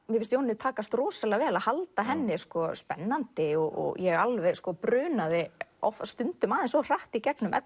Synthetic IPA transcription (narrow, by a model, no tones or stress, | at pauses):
mjɛfɪst̪joːwnɪʏt̪ʰaːkast̪rɔːsalɛavɛːlaðhalt̪aɦɛnːɪskɔspɛnːant̪ɪɔɔ̰jɛɣalvɛɣskɔpɾʏːnavɪɔ̰fast̪ʏnt̪ʏmaːðɪnsɔwr̥aht̪icɛknʏmʔɛ̰t̪